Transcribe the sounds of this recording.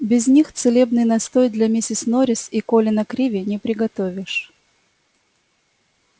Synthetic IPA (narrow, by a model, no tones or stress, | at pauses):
bʲɪzʲnʲixt̪sɨlʲebnɨjnɐst̪ojʲd̪lʲɐmʲɪsʲɪsnoɾʲɪsikolʲɪnɐkɾʲivʲɪnʲɪpɾʲɪɡɐt̪ovʲɪʂ